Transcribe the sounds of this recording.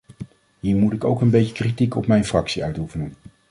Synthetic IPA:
ɦiːɹmutɪko̰wkənbejcəkritikɔpmɛjnfrɑksiœɥtufənən

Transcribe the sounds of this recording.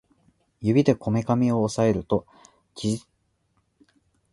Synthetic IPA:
jɯ̟bʲid̪e̞kʰo̞me̞kamʲio̞ːsae̞ɾɯ̟t̪o̞ | kʲizi

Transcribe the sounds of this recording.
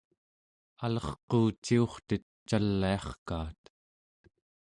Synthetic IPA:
alʌχquːt͡ʃːio̞χt̪ət̪ | t͡ʃalːiɑχkaːt̪

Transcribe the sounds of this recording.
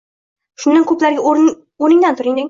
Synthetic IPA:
ʃʊnd̪ankʰɵplaɾɡʲaɾ | onɪŋd̪ant̪ʰʊɾɪŋd̪ɪ

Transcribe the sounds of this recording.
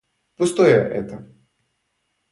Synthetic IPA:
pɨst̪ojɐʔɛ̰t̪ə

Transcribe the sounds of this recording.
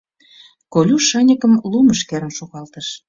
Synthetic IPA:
kolʲuʃənʲəkə̆mluməʃkeɾə̆nʃoɣɑlt̪ə̆ʃ

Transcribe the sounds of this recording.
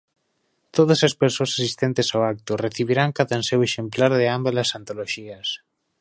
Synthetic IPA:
t̪oðɐsɐspeɾsoasasist̪ent̪ɪsawak̚t̪ʊreθiβiɾaŋkaðanseweʃemplaɾðɪambalasant̪oloʃiɐs

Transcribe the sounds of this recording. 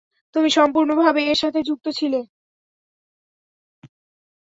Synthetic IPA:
t̪umiʃɔmpuɾnobʱabeeɾʃat̪ʰed͡ʑuk̚t̪ot͡ɕʰile

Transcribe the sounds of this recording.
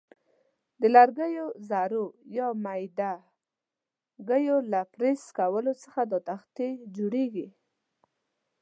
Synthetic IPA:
d̪əlaɾɡəjozaɾojɑmajd̪a | ɡəjolapɾeskawəlot͡səxad̪ɑt̪axt̪ed͡ʒoɽeɡi

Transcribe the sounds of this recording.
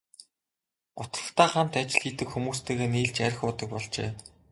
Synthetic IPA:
ʊt̪ə̥̆χt̪aːχam̥t̪at͡ɕɪ̆ɮxiːt̪ɘ̆kxumuːst̪ʰeːɣeːniːɮt͡ɕæɾʲɪ̆xʊːt̪ə̆k̚pɔɮt͡ɕḛː

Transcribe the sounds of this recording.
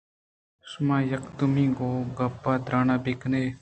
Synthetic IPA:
smãːjəkt̪ʊmĩːɡoːɡapːaːd̪ɾaːnaːbekneː

